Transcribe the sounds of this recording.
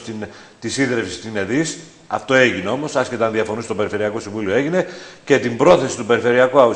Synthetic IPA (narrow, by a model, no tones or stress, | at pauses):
t̪in | t̪isiðɾefsi̥st̪ineðis | ɐ̰ft̪o̞e̞ʝineomo̞sɐsçe̞t̪eɐnðiɐfo̞nist̪o̞pe̞ɾife̞ɾiɐko̞siɱvulioeʝine̞ce̞t̪imbɾo̞θe̞si̥t̪upe̞ɾife̞ɾiɐkuɐu